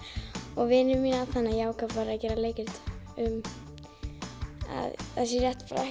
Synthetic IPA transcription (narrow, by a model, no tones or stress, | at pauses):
ɔɣvɪnʏmːiːnaθanːajaːwkavvaɾacɛːɾaleːjcɪɾt̪ʏm | a̰ða̰ðsɛɾjɛht̪pa̰ɾaɛ